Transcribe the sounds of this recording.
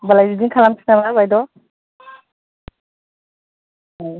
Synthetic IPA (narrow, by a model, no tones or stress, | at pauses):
balajdidiŋkʰalamsʰi̥namaɾbajdɔ | aj